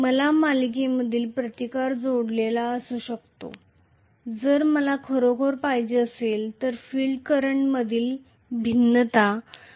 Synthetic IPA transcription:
məlamalik̬iməd̪ʱiːlpɾət̪ikaɾd͡zoɽlelaəsuːɕəkt̪o̰ | d͡zəɾməlakʰoɾokʰoɾpajd͡ʑeəselt̪əɾfiɭɖkəɾəɳməd̪ʱiːl | bʱinːət̪a

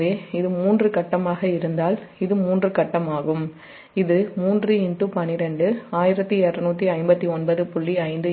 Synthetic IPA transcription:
ðeːɪðɯmuːndrɯkɐʈːɐmaːɣɐɪɾɯnd̪aːlɪðɯmuːndrɯkɐʈːɐmaːɣɯm | ɪðɯmuːndrɯɪɳʈːɯpɐnːɪɾɛɳɖɯaːjɪɾɐt̪ːiɛɾrɐnuːt̪ːiɐɪmbɐt̪ːiɔnbɐðɯpʊɭːiɐɪnd̪ɯ

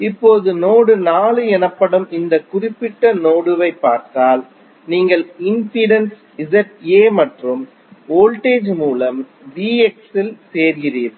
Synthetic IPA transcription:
ɪpːoːðɯnoːɽɯnaːlɯɛnɐpːɐɽɯmɪnd̪ɐkʊrɪpːɪʈːɐnoːɽɯʋɐɪpːaːɾt̪aːl | niːŋɡɐɭɪnsɪɽɐns | ɪðɐʈeːmɐʈrɯm | oːlʈeːd͡ʒmuːlɐm | diːɛksɪlseːɾɣɪriːɾ

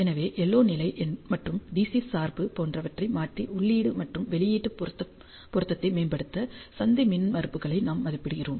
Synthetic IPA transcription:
ɛnɐʋeːʔɛlːoːnɪlɐɪʔɛnmɐʈrɯmd̪iːsisaːɾbɯpoːndrɐʋɐʈrɐɪmaːʈriʔʊɭːiːɽɯmɐʈrɯmʋɛɭɪjiːʈːɯp̪ɐ | pːɔɾɯt̪ːɐt̪ːɐɪmeːnbɐɽɯt̪ːɐsɐnd̪imɪnʋɐɾɯpːɯɣɐɭɐɪnaːmːɐðɪpːɪɽɪɣɪroːm

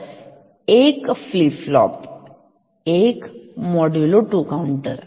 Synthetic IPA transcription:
eːkfliːflɔ̰ːp | eːkmɔɖjuloʈuːkãʊɳʈə̰ɾ

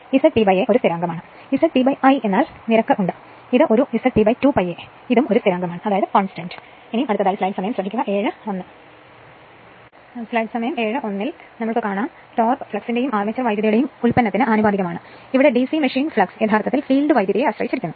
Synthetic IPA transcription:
isɐpibɐjeʔo̞ɾust̪ʰiɾaːŋɡɐmaːɳɨ | isɐʈpibɐjʔɐje̞nːaːl | niɾɐkːɐʔuɳɖɨ | iðɨʔo̞ɾuisɐʈpibɐjtupɐje | iðumo̞ɾust̪ʰiɾaːŋɡɐmaːɳɨɐðaːjɐðɨkonstɐɳdɨ̥ | inijmɐɽut̪ːɐðaːlslɐjɖsɐmɐjɐmsrɐbʱikʲːuɣɐʔe̞ːɻɨo̞nːɨ | slɐjɖɨsɐmɐjɐme̞ːɻɨʔo̞nːil | nɐmːuɭkɨkaːɳaːn | to̞ːrpɨ̥fɭɐksindejumʔaːrmet͡ɕːɐrʋɐjd̪jɐðɐjuɽejumulpɐnːɐt̪ːinɨʔaːnubaːd̪ʱiɣɐmaːɳɨ | iʋiɽe̞ɖisimɐʂiːnfɭɐkset̪ʰaːrt̪ɐt̪ːilfiːlɖɨʋɐjd̪jɐðɐjeɐɕrɐjit͡ɕːiɾikʲːunːuɨ

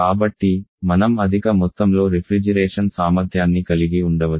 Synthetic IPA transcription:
aːbɐʈːimɐnɐmɐd̪ʱikɐmɔt̪ːɐmlo̞ːɾipʰɾid͡ʒɐɾɛːʂɐnsaːmɐɾd̪ʱjaːnːikɐliɡiuɳɖɐʋɐ

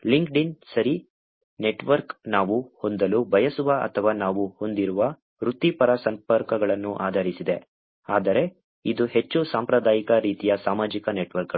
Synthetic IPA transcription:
liŋkɖinsɐɾi | ne̞ʈʋɐɾknaːʋuho̞nd̪ɐlubʱɐjɐsuʋɐʔɐ̰t̪ʰɐʋaːnaːʋuho̞nd̪iɾuʋɐ | ɾut̪ːipɐɾɐsɐmpɐɾkɐɡɐɭɐnːuʔaːd̪ʱɐɾisid̪e̞ | aːd̪ɐɾe̞ | id̪uɦe̞t͡ʃːusaːmpɾɐd̪aːjikɐɾiːt̪ijɐsaːmaːd͡ʒikɐneʈʋɐɾkɐ

